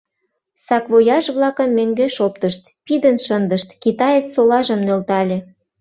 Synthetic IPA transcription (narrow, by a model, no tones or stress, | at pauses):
sɑkβojɑʃβlɑkə̆mːøŋɡeʃopt̪əʃt̪̚pid̪ənʃənd̪əʃt̪kit̪ɑjet͡ssolɑʒəmnølt̪ɑlʲĕ